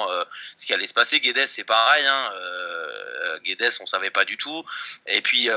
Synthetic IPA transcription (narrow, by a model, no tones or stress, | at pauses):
øsə̥kʲialɛsə̥paseɡʲed̪ɛsːɛpaʁɛjɛ̃ø̰ | ɡʲed̪ɛsɔ̃savɛpad̪yt̪ʰuepɥiø